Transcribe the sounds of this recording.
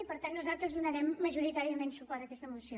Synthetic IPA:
ipəɾt̪anːuzalˠt̪ɾəzðunəɾɛmːəʒuɾit̪aɾiəmensupaðəkɛst̪əmusio

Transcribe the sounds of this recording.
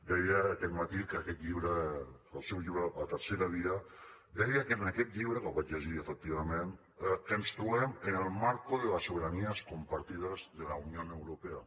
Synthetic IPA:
d̪ɛjəːkɛt̪mat̪ikəkɛt̪ʎiβɾə | əlˠsɛwʎiβɾəːt̪əɾseɾəβiə | d̪ɛjəkənəkɛt̪ʎiβɾəkəlˠβat͡ʃʎəʒiəfək̚t̪iβ̞əmen | kənst̪ɾuɛmənəlˠmaɾkuðələsːuβeɾaniəskumpaɾt̪iðəzðəlaunionəwɾupeə

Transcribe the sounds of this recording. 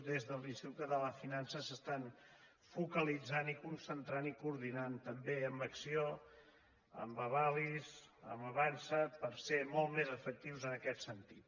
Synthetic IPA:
d̪ezðəlˠinst̪ukt̪əðələfinansəsəst̪an | fukəlid͡zanikunsənt̪ɾanikuɾðinant̪əmbeəmbəksio | ə̰mbəβalizə̰məβansəpəɾsemɔlˠmezəfək̚t̪iwzənəkɛt̪sənt̪it̪̚

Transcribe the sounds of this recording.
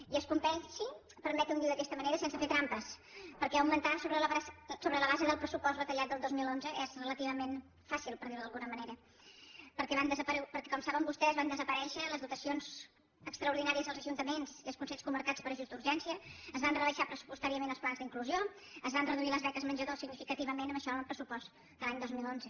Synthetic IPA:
iəskumpɛnʃi | pəɾmɛt̪und̪iwðəkɛst̪əməneɾəsɛnsəfet̪ɾampəspəɾkɛəwmənt̪asoβɾəlsoβɾələβazəðəlˠpɾəsupɔst̪βət̪əʎat̪d̪əlˠd̪ozmilˠonzəʔɛzrələt̪iβ̞əmen | fasilˠpəɾðiɾðəlˠɣunəməneɾə | pəɾkɛβand̪əzəpəɾpəɾkɛkɔmsaβəmbust̪ɛzβand̪əzəpəɾɛʃələzðut̪əsionz | əkst̪ɾəuɾðinaɾiəzəlˠzəʒunt̪əmenziəlˠskunseʎskuməɾkat͡spəɾəʒuzd̪uɾʒɛnsiəːzβanrəβəʃapɾəsu̥pust̪aɾiəmenəlˠsplanzðiŋkluzio | əzβanrəðuiləzβɛkəzməɲd͡ʒəðosiɡnifikət̪iβəmenəməʃɔnnəlˠpɾəsupɔs | d̪əlˠaɲd̪ozmilˠonzə

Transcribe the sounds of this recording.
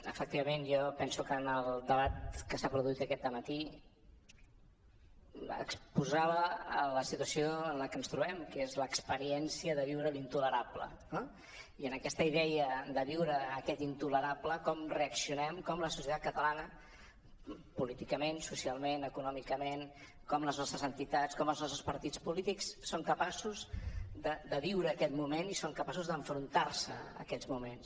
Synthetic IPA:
ə̰fək̚t̪iβəmenjɔpɛnsukənəlˠd̪əβat̪kəsapɾuðuit̪əkɛt̪̚d̪əmət̪i | ə̰kspuzaβəːləsit̪wəsijoənləkənst̪ɾuβɛmkezləkspəɾiɛnsiəðəβiwɾəlint̪uləɾaplə̰ | no | iənəkɛst̪əiðɛəd̪əβiwɾəːkɛt̪int̪uləɾapləkɔmreəksiunɛmkɔmləsu̥sjət̪at̪̚kət̪əlanə | pulit̪ikəmensusialˠmenəkunɔmikəmen | kɔmləznɔst̪ɾəzənt̪it̪at͡skɔmlznɔst̪ɾəspəɾt̪it͡spulit̪ikssoŋkəpasuzd̪əd̪əβiwɾəːkɛt̪mumenisomkəpasuzðəɱfɾunt̪aɾsə̰ə̰kɛd͡zmumens

